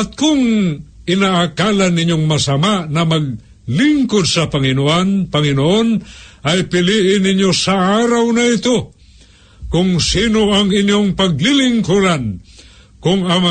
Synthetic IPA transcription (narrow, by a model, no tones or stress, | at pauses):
at̪̚kʊŋ | ɪnaʔːkalanːɪnjoŋmasamaʔnɐmaɡ̚ | lɪŋkod̪̚sɐpaŋɪnoʔanpɐŋɪnoʔonʔajpɪliʔɪnɪɲjosaʔaɾawnaɪt̪o | kʊŋsinoaŋɪnjoŋpaɡ̚lɪlɪŋkuɾan | kʊŋa